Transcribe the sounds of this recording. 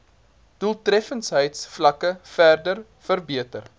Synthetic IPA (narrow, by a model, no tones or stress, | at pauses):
d̥ulˠtrɛfənsɦəjtsflɐkəfærdər | fərbiətər